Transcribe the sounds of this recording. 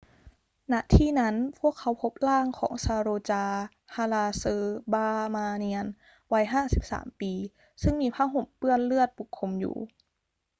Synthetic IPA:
na˧˥t̪ʰiː˥˩na˦˥npʰu˥˩əkʰːa˧˦˥wpʰo˦˥p̚laː˥˩ŋkʰɔ̰ː˩˦ŋsaː˧ɾoː˧t͡ɕaː˧ | hʰa˧laː˧sɤː˧baː˧maː˧ni˧ən | wa˦˥jɦaː˥˩si˨˦p̚sa̰ː˩˦mpiː˧ | sɯ˥˩ŋmiː˧pʰaː˥˩wɦo˧˩mpɯ˥˩ənlɯ˥˩ət̪̚bu˨˩kʰːo˧mjṵː˨˩

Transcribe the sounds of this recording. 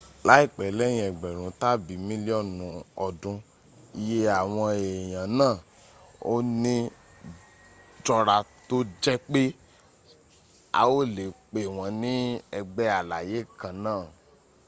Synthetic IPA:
la˨˦i˦˨k͡pɛ˨lɛ˦j̃ĩ˧˦ɛ˨ɡ͡bɛ˨ɾ̃ũ˨˦ta˦bi˨˦mĩ˦li˦ɔ˦˨nũ˨˧ɔ˧˨dũ˧ | i˧je˦a˨w̃ɔ̃˧e˨j̃ã˨nãː˦˨ | o̰˦nĩ˦ | d͡ʒɔ˧ɾa˧to˦d͡ʒɛ˦k͡pe˦ | a̰˧o˦˨le˨k͡pe˨w̃ɔ̃˧nĩ˦ɛ˧ɡ͡bɛ˦a˨la˨je˨˦˨kã˨nãː˦˨

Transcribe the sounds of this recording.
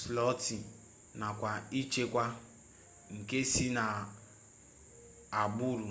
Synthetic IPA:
flɔ˦ti˨ | na˨kʷa˨i˦t͡ʃe˦kʷa˦ | ŋ̩˨ke˦si˦na˨ | a˨bu˦ɾu˨

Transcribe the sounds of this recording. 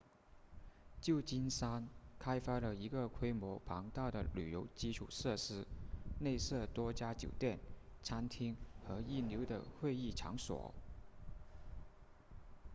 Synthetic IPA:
t͡ɕjo˥˩ʊt͡ɕi˥nsa˥nkʰa˥ɪfa˥lə˨i˧˥ɡə˨kʰwe˥ɪmwɔ˧˥pʰɑ˧˥ŋt̪ɑ˥˩ʊɾə̰˩ly̰˨˩jo˧˥ʊt͡ɕi˥ʈ͡ʂʰṵ˨˩sɤ˥˩ʂɻ̩˥ne˥˧ɪsɤ˥˩t̪wɔ˥t͡ɕja˥t͡ɕjo̰˨˩ʊt̪jɛ˥˩nt͡sʰa˥nt̪ʰi˥ŋxɤ˧˥i˥˩njo˧˥ʊd̪ə̰˧˨xwe˥˧ɪi˥˩ʈ͡ʂʰɑ̰˧˥ŋswɔ̰˨˩˦

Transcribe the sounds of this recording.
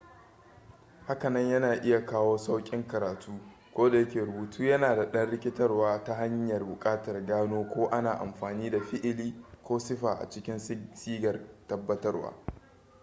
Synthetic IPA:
ha˦kɐ˨nɐ˦ɲjɐ˦naː˨ʔɪ˦ja˨kaː˦woː˦sa˦wkʲʼɪ˦ŋkɐ˨ɾaː˨tʰuː˦ | kʷoː˦da˨jɐ˦kʲeː˨ɾʊ˨buː˨tʰuː˦jɐ˦naː˨da˨ɗɐ˦nɽɪ˦kʲɪ˦tɐ˦rwaː˦ta˦ɦa˦ɲjɐ˨rbʊ˨kʼaː˦tɐ˨rɡaː˦noː˦kʷoː˦ʔa˦naː˨ʔa̰˨mɸaː˨niː˦da˨ɸɪ˦ʔɪ˦liː˦kʷoː˦sɪ˦ɸaː˨ʔa̰˨t͡ʃɪ˦kʲɪ˦nsiː˦ɡɐ˨rtɐ˦bːɐ˦tɐ˦rwa̰ː˦

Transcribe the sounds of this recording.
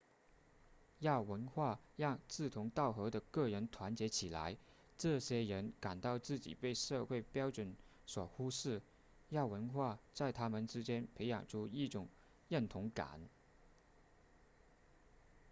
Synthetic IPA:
jɑ˥˩ʊwə˧˥nxwa˥˧jɑ˥˧ŋt͡sɹ̩˥˩t̪ʰʊ˧˥ŋt̪ɑ˥˩ʊxɤ˧˥d̪ə˧kɤ˥˩ɻə˧˥nt̪ʰwa˧˥nt͡ɕjɛ˧˥t͡ɕʰi˨˩la̰˧˥ɪ | ʈ͡ʂɤ˥˩ɕjɛ˥ɻə˧˥nka˨˩nt̪ɑ˥˧ʊt͡sɹ̩˥˩t͡ɕḭ˨˩pe˥˧ɪʂɤ˥˧xwe˥˩ɪpjɑ˥ʊʈ͡ʂwə˧˥n | swɔ˨˩xu˥ʂɻ̩˥˩ | jɑ˥˩ʊwə˧˥nxwa˥˩t͡sa˥˩ɪt̪ʰa˥mə˨nʈ͡ʂɻ̩˥t͡ɕjɛ˥npʰe˧˥ɪjɑ̰˨˩ŋʈ͡ʂʰu˥i˥˩ʈ͡ʂʊ˨˩˦ŋ | ɻə˥˩nt̪ʰʊ˧˥ŋka̰˨˩˦n

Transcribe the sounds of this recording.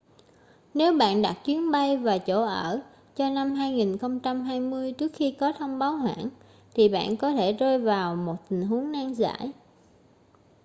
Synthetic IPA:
ne˨˦wɓa̰ː˧˨nɗa˨˩t̚t͡ɕwi˨˦ənɓa˧jvaː˨˩t͡ɕo˧˩ʔəː˧˩ | t͡ɕɔ˧na˧mɦaː˧jŋi˨˩nxə˧wŋ͡mt͡ɕa˧mɦaː˧jmɨ˧əjt͡ɕɨ˦˥ək̚xi˧kɔ˨˦t̪ʰə˧wŋ͡mɓaː˨˦whwa̰ː˧˨n | t̪ʰi˨˩ɓa̰ː˧˨nkɔ˨˦t̪ʰe˧˩zəː˧jvaː˨˩wmo˨˩t̚t̪ï˨˩ŋ̟ɦu˨˦əŋnaː˧ŋza̰ː˧˩˥j

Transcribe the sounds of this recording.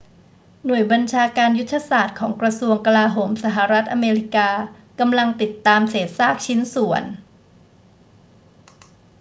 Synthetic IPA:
nu˨˩əjba˧nt͡ɕʰaː˧kaː˧nju˦˥t̪ʰːa˧saː˨˩t̪̚kʰɔː˩˦ŋkɾa˧su˧əŋka˧laː˧ɦoː˩˦msa˧˩ɦa˨˩ɾa˦˥t̪̚ʔa˧meː˧ɾi˦˥kaː˧ | ka˧mla˧ŋt̪i˨˩t̪ːaː˧mseː˨˩t̪̚saː˥˩k̚t͡ɕʰi˦˥nsu˩˦ən

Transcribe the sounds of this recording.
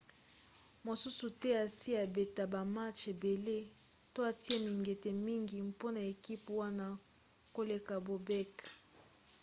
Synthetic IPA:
mo˨su˦su˨tɛ˦a˨si˦a˨be˨ta˨ba˨ma˦t͡ʃe˨be˨le˦ | to˦a˨ti˦e˦mi˨ŋɡe˨te˨mi˦ŋɡi˨mpo˦na˨e˨ki˦pwa˦na˦ | ko˦le˨ka˨bo˨bɛ˦k

